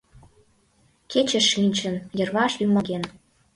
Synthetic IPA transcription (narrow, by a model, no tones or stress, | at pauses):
kʰet͡ɕə̆ʃːynʲt͡ɕə̆njə̆rβɑʃymɑɣen